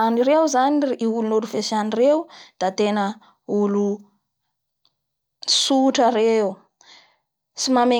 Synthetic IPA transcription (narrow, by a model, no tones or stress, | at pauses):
aniɾewzaniiulunoluvesanireud̪̥at̪enə | ulu | suʈ͡ʂəɾeu | simame